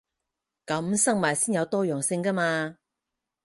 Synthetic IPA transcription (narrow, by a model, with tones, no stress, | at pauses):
kɐ˨˥msɐ˥ŋmaː˨˩jsiː˥njɐ˨˧wt̪ɔː˥jœː˨˩ŋsɪ˧ŋkɐ˥maː˧